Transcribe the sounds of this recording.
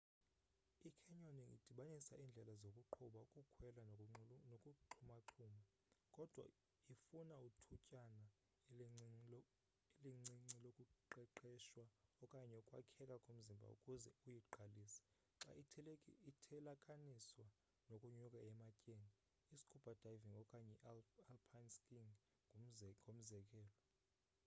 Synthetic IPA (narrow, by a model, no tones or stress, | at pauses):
ikʰɛɲoniʔḭd̥ʱiɓanisaʔiːnd͡ɮʱɛlazokʼuǃʰuɓaukʼukʰwɛlanokʼuǃʰumaǁʰuːma | kʼɔd̥ʱwa̰ | ifunautʰucʼana | eliŋ͡ǀiŋ͡ǀilokʼuǃɛǃɛʃwaɔkʼaɲɛɔkʼwa̰kʰɛkʼakʼom̩zimbʱa̰ṵkʼuzɛ̰ujiǃaliːsi̥ | ǁa̰ | itʰɛlakʼaniswa | nokʼuɲukʼaɛmacʼeniː | si̥kʰub̥ʱad̥ʱaviŋɔkʼaɲɛalpʰanskʼiŋ | ɡom̩zɛkʼɛːlɔ